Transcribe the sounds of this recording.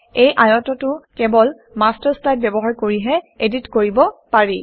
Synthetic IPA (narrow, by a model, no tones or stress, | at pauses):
ejʔajɔtɔtʊkɛbɔl | mastaɹslajd̚bɛbɔɦaɹkoɹiɦɛeditkoɹibɔpaɹi